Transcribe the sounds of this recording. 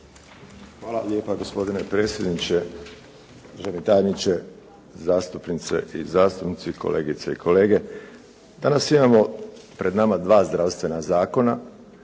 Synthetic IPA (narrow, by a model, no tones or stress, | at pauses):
xʋaːlˠa̰le̞ːpaɡo̞spo̞d̪ine̞pɾe̞ːt̪sʲje̞d̪nit͡ɕe̞ | ʒenet̪ajenit͡ɕe̞ | zaːst̪upnit̪sḛʔizaːst̪upnit̪sikʰo̞̰le̞ːɡit̪seikʰo̞le̞ːɡe̞ | d̪anasimamo̞pɾe̞d̪namad̪ʋaːzd̪ɾaʋst̪ʋe̞nazaːko̞na